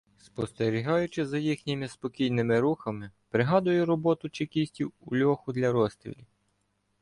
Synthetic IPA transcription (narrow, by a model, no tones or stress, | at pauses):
spɔst̪eɾʲiɦɑjʊt͡ʃɪzɐjixnʲɪmɪspɔkʲijnɪmɪɾuxɐmɪpɾɪɦɑd̪ʊjʊɾɔbɔt̪ʊt͡ʃekʲisʲtʲiwʊlʲɔxʊd̪lʲɐɾɔst̪ɾʲḭlʲi